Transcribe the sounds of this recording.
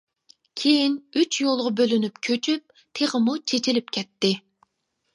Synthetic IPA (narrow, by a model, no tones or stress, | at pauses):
kʲʰejinyt͡ʃjolˠʁɑbølynypkʲʰøt͡ʃʰyp̚ | t̪ʰeʁəmut͡ʃʰet͡ʃʰilɪp̚kʲʰɛt̪ːɪ